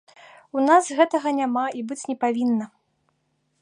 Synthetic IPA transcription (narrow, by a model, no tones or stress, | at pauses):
unazɣɛt̪ɐɣɐnʲamaibɨt͡sʲnʲɛpavʲinːɐ